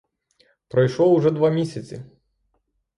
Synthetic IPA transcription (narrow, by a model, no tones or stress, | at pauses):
pɾɐjʂlˠɔuʐɛd̪ʋamʲisʲɐt͡sʲi